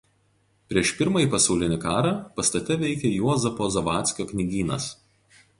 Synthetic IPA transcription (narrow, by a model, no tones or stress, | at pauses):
pʲɾʲiɛʃpʲɪɾmɐiːˑpɐsɐʊlʲɪnʲɪkɑːɾɑpɐst̪ɐt̪ʲɛʋʲɛɪkʲɛjuɔzɐpoːzɐʋɑːt̪ʲsʲkʲoːknʲɪɡʲiːnɐ̰s